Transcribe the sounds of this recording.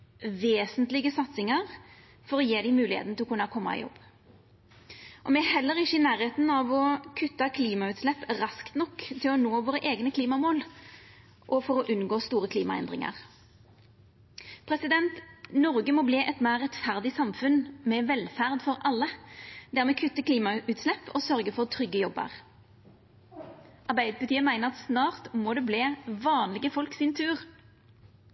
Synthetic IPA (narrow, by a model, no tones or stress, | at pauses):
ʋeːsənt̪lɪɡəsɑt̪sɪŋəʁ | fɔɾɔjeːd̪ɪmʉːlɪhḛːt̪n̩t̪ɪlɔkʉnːɑkʰɔmːɑ̰ɪ̰jɔ̰bː | ʔɔmɛɦɛlːəɾɪçːəɪnæːʁeːt̪n̩ɑʋɔkʰʉt̪ːɑkʰliːmɑʉːt̪slɛpːɾɑskt̪nɔkːt̪ʰɪlɔnoːʋoːɾəʔeːɡnəkʰliːmɑmoːl | ʔɔfɔɾɔʔʉnɡoːst̪uːɾəkʰliːmɑɛ̰nd̪ʁɪ̰ŋɑ̰ʁ | pʰʁɛsɪd̪ɛnt̪nɔʁɡəmoːbleːʔɛt̪mæːʁːɛt̪fæʁd̪ɪsɑmfʉnmɛʋɛlfæʁd̪fɔʁʔɑlːəd̪æʁmɛkʰʉt̪ːəkʰliːmɑʉːt̪slɛpːɔsœʁɡəfɔʁt̪ʰʁʏɡːəjɔbːə̰ʁ | ʔɑʁbæɪd̪əpɑt̪iːəmæɪnəʁɑt̪snɑːʁt̪moːd̪ɛbleːʋɑːnlɪɡəfɔlksɪnt̪ʰʉːʁ